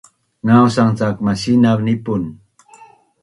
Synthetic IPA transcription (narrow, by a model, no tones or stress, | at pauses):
ŋawsaŋt͡sakmaʃinaknɪpʊn